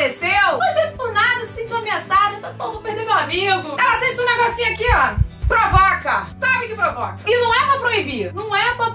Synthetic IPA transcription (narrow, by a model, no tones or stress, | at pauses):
esewõd̪ispʊɾnad̪ɐssẽnt͡ʃĩɐmĩɐsaʒẽt̪ɐ̃p̪õvõpehd̪eɾmewamiɡʊɛlɐsẽt͡ʃũneɡɔsĩɲʊakiapɾovɔkɐsabɪkɪpɾovɔkɐɪnɐ̃w̃ɛpɾɐpɾoibiɾnɐ̃w̃ɛpɾɐ